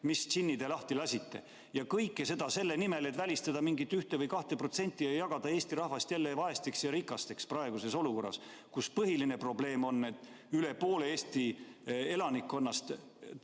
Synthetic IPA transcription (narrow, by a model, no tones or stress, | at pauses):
mist͡ɕinːid̪elɑht̪ilɑsʲit̪ːe̞̰ | jɑkɤjkːˑese̞d̪̥ɑse̞lːenime̞le̞t̪ːvælʲist̪ɑd̪̥ɑmiŋɡit̪ːˑyht̪evɤjkɑht̪e̞pro̞t̪se̞nʲt̪ʲːˑiejːɑɡ̥ɑd̪̥ɑe̞ːst̪iɾɑhvɑst̪jælːevɑe̞st̪iksjɑɾikˑːɑst̪e̞ksprɑe̞ɡ̥use̞so̞luko̞rːɑ̰s | kuspɤɦiline̞pro̞ble̞ːmo̞nːe̞t̪ːˑ | yle̞po̞ːle̞eːsʲt̪ie̞lɑnikːˑo̞nːɑst̪